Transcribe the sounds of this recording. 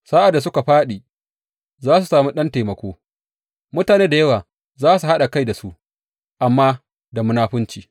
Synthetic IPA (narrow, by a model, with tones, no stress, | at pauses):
saː˦ʔa˨dːs̬ʊ˦ka˨ɸaː˦ɗiː˨ | zaː˦su˨saː˨mu˦ɗɐ˦nteː˨mɐ˨kʷoː˦ | mʊ˦taː˨neː˦da˨jɐ˦waː˨ | zaː˦su˨ha˦ɗa˨ka˦jda˨su˦ʔ | ʔa˨mːaː˦ | da˨mʊ˦naː˦ɸʊ˦nt͡ʃiː˨